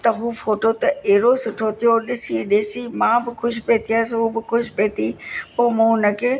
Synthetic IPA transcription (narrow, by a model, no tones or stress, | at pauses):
t̪ɐɦuːfoːʈot̪ɐeːɾosʊʈʰot̪ʰijoɗɪsiɗɪːsimãːbɪxʊʃpeːt̪ʰiaːɪsɦuːbɪkʊʃpeːt̪ipoːmũːnɐkʰeː